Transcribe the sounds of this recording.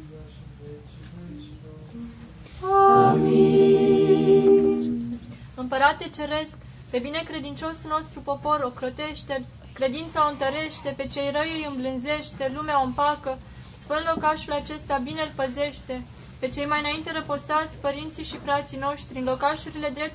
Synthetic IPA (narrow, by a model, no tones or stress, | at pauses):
ami | ɨmpəɾat̪ːet͡ʃe̞ɾe̞sk | pe̞bine̞kɾe̞d̪int͡ʃo̞sulno̞st̪ɾupo̞po̞ɾo̞kɾo̞t̪e̞ʃt̪e̞l | kɾe̞d̪int̪saoɨnt̪əɾe̞ʃt̪e̞pe̞t͡ʃe̞jrəjejɨmblɨnze̞ʃt̪e̞lumeaompakə | sfɨnlo̞kaʃulat͡ʃe̞st̪abine̞lpəze̞ʃt̪e̞ | pe̞t͡ʃe̞jmajɨnaint̪e̞ɾəposat̪sʲpəɾint̪sijʃifɾat̪sijno̞ʃt̪t̪ɾʲiɨnlo̞kaʃuɾile̞d̪ɾe̞p̚t̪